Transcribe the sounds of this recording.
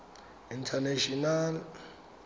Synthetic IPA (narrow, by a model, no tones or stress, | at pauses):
intʰanaʃɔnal